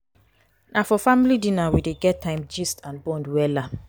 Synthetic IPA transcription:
nʔafɔfamilidĩnawideɡɛttʰːãɪ̃md͡ʒistãnbɔ̃ndwɛla

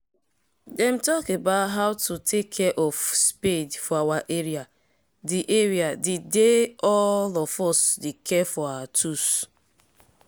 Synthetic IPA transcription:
dɛ̃m̩tɔkebaʊtɦaʊtutʰekʰːɛʔɔfspedfɔawaʔeɾia | diʔeɹiadideɔlɔfɔsdekʰɛfɔawatʰus

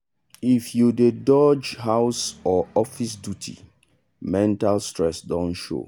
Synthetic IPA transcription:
ifjuded͡ʒɔd͡ʒɦaʊsɔɔfisdjutʰḭ | mɛ̃ntalstɹɛsdɔ̃nʃo̰

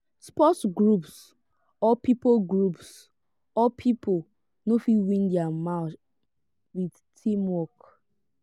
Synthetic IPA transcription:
spɔtɡɹups | ɔpipoɡɹups | ɔpʰipo | nofiwĩndɛamaʊt | wid | tʰimwɔk

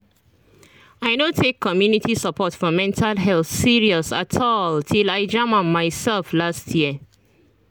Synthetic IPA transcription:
aɪnotʰekʰːɔmjunitʰisapʰɔtfɔmɛ̃ntʰalɦɛlθsiɹiɔsatʰɔltʰilaɪd͡ʒamãnmːaɪsɛlflastʰjiə

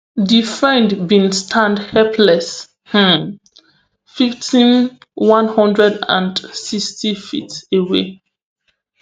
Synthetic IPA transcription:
difɹɛ̃ndbĩnstʰãndhɛpʰlɛs | h̩ | fiftĩnwãnhɔ̃ndɹɛdã̰ndsistifitewḛ

